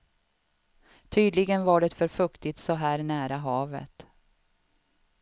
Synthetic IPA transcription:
t̪ʰyːd̪lɪɡənvaɖɛt̪fœɾfɵkt̪ɪt̪sɔɦæːɾnæːɾaɦɑːvə̰t̪

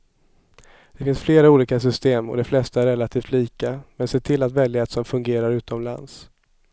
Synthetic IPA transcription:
d̪̥ɛfɪnsfleːɾauːliːkas̬ʏst̪eːmɔ̰d̪ɛflɛst̪aæɾːɛlːat̪ʰiːft̪liːkamɛnseːʈʰɪlːat̪vɛljɪeːt̪sɔmfɵŋɡeːɾaɾʉ̟ːt̪ɔmla̰ns

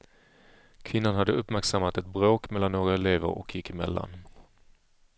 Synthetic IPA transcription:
kʰvɪnːanhad̪ːəɵpːmæɾksamːat̪ɛt̪̚bɾoːkmɛlːanːoːɡɾaɛleːvə̰ɾʔɔ̰kʰjɪkːɪmɛ̰lːa̰n

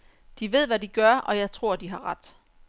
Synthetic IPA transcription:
d̥iʋe̝ð̰ˠʋædiɡ̥ɶɐʔɒ̽jɑ̈ɪt͡sʰʁo̝ɐ̰d̥iɦɑ̈ʁɑd̥

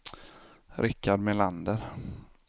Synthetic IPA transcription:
ɾɪkʰːad̪mɛland̪əɾ

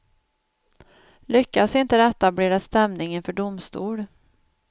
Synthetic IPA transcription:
lʏkːasɪnt̪əd̪ɛt̪ːableːɾast̪ɛmnɪŋənfœɖʊmst̪ṵːɽ

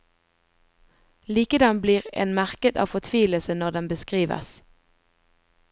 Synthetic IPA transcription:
liːkəd̪ɑnbliːʁḛːnmæʁkət̪ɑ̰ːʋfɔt̪ʰʋiːləsənɔʁd̪ɛnbəskʁiːʋə̰s

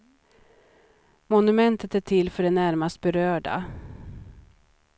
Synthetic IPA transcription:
mɔnɵmɛnt̪ət̪æʈtʰɪlːfœɖɛnæɾmast̪̚bɛɾøːɖa̰

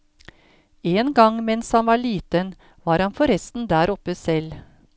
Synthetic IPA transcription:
eːnɡɑŋmɛnshɑnʋɑːɭiːt̪ən | ʋɑːɾhɑnfɔɾɛst̪n̩d̪æːɾʔɔpːəsɛl

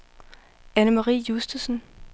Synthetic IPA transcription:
ænəmɑʁḭːjusd̥əsən

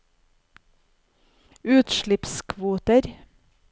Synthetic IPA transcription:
ʉːt̪ʃɭɪpskʰʋuːt̪əɾ

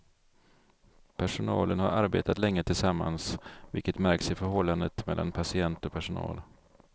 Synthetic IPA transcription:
pʰæʂʊnɑ̰ːlənhaɾaɾbḛːt̪at̪lɛŋːət̪ʰɪlsamːa̰nsvɪ̰lkət̪mæɾksɪfœɾɦɔlːand̪ət̪mɛlːa̰npʰasɪɛnt̪ɔpʰæʂʊnɑ̰ːl

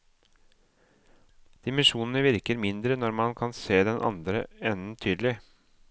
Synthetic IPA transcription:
d̪̥ɪmənʂuːnn̩əʋɪɾkəɾmɪnd̪ɾənɔɾmɑnkʰɑnseːd̪ɛnʔɑ̰nd̪ɾəɛnn̩t̪ʰyːd̪lɪ

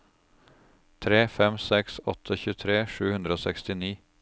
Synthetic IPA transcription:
t̪ʰɾeːfɛmsɛksɔ̰t̪ʰəçʉːt̪ʰɾeːʂʉːhʉnd̪ɾəoːsɛkst̪ɪniː

